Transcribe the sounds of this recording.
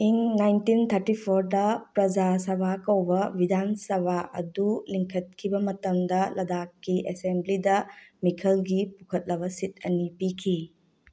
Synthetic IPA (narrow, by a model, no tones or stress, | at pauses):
iŋnajntint̪ʰɐɾtipʰoɾdɐpɾɐd͡ʒasɐbʱakɐwbɐbidansɐbʱaʔɐ̰duliŋkʰɐt̚kʰibɐmɐtɐmdɐlɐdakːiʔesemblidɐmikʰɐlɡipukʰɐt̚lɐbɐsit̚ɐ̰nipikʰi